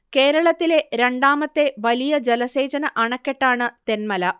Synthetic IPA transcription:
ke̞ːɾɐɭɐt̪ːile̞ɾe̞ɳɖaːmɐt̪ːe̞ʋɐlijɐd͡ʑelɐse̞ːd͡ʑɐnɐʔɐɳɐkːeʈːaːɳɨt̪enmɐlɐ

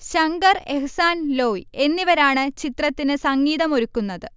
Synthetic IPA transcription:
ɕɐŋɡɐreɦɨsaːnlo̞ːie̞nːiʋɐɾaːɳɨt͡ɕit̪rɐt̪ːinɨsɐŋːiːðɐmo̞ɾukːunːɐðɨ

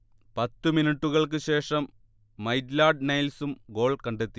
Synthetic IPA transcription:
pɐt̪ːɨminiʈːuɣɐɭk̬ɨɕe̞ːʂɐmː | ɐjdlaːɖ̚nɐjlsumɡo̞ːɭkɐɳɖet̪ːi̥

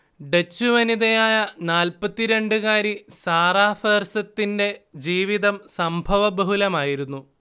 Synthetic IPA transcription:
ɖet͡ɕːuʋɐniðɐjaːjɐnaːlpɐt̪ːiɾe̞ɳɖɨɣaːɾisaːraːfeːrsɐt̪ːinde̞d͡ʑiːʋiðɐmsɐmbʱɐʋɐbɐɦulɐmaːjiɾunːu

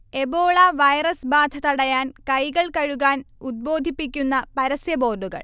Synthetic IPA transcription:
e̞bo̞ːɭɐʋɐjrɐsbaːd̪ʱɐt̪ɐɽɐjaːnkɐjɣɐɭkɐɻuɣaːnud̪̚bo̞ːd̪ʱipːikʲːunːɐpɐɾɐsjɐbo̞ːrɖuɣɐ̰ɭ

